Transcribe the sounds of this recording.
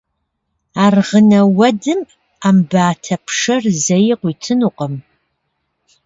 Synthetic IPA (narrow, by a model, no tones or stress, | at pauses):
aːrʁənɐwɐdɨm | aːmbaːtʰɐpʰʂɐrzɐjɪqʷiːtʰɨnuqʼəm